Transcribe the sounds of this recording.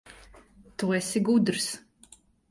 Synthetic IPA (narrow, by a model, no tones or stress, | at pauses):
t̪uɛsiɡud̪ɾs